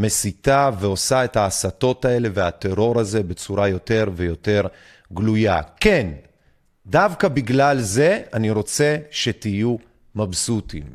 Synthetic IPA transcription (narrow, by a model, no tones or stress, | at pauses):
me̞sitaveo̞sae̞taːsato̞tae̞le̞veat̪e̞ʁo̞ʁaze̞be̞t͡suʁajo̞te̞ʁve̞jo̞te̞ʁ | ɡluja̰ken | davkabiɡlalze̞aniʁo̞t͡se̞ʃe̞tiju | mabsutḭm